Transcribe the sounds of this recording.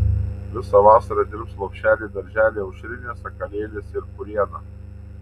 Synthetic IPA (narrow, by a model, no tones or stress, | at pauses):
ʋʲɪsɐʋɑːsɐɾɐd̪ʲɪɾpslˠɐkʲʃʲt͡ʃʲæːlʲeːd̪ɐɾʲʒʲæːlʲeːɐʊʃʲɾʲɪnʲesɐkɐlʲeːlʲesɪɾkʊɾʲiɛd̪ɐ